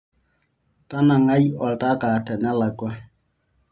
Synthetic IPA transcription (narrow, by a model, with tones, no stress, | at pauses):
ta˦na˨ŋa˦jɔ˨lta˦ka˨tɛ˨nɛ˦la˨kwa˦